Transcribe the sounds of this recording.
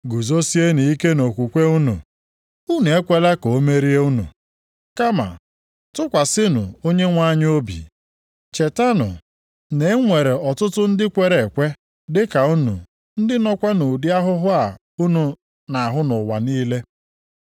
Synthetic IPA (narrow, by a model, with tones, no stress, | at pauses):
ɡu˨zo˦si˦e˦ni˨i˦ke˦no˨kʷu˨kʷe˦u˦nṵ˨ | u˦nu˨e˦kʷe˦la˦ko˨o˦me˦ɾi˦e˦u˦nṵ˨ | ka˦ma̰˨ | tʊ˦kʷa˨sɪ˦nʊ̰˨o˦ɲe˦ŋʷa˦ɲ˦o˦bḭ˨ | t͡ʃe˨ta˦nʊ̰˨ | ne˨˦ŋʷe˨ɾe˨ɔ˨tʊ˦tʊ˦n̩˦dɪ˦kʷe˨ɾe˨kʷe˦ | dɪ˦ka˨u˦nṵ˨ | n̩˦dɪ˦nɔ˦kʷa˦nu˨di˦a˦ɦʊ˦ɦʊ˦a˨ | u˦nu˨ | na˨ɦʊ˦nʊ˨wa̰˨niː˦le˦